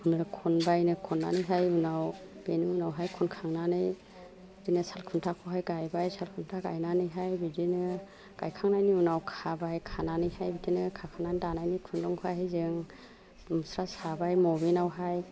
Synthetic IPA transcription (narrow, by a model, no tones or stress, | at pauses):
unɯkʰɔnbajnɯkʰɔnːa̰nɯjɦajunawb̥enɯunawɦajkʰɔnkʰaŋnanɯj | bbitinɯsalkʰuntʰakʰɔɦajɡajbajsalkʰuntʰaɡa̰jnanɯjɦajbidinɯ | ɡ̥a̰jkʰaŋnajniunawkʰabajkʰananɯjhajbitinɯkʰakʰanandanajnikʰundɔŋkʰɔajɦajzɯŋ | musɾasabajmɔbinawɦaj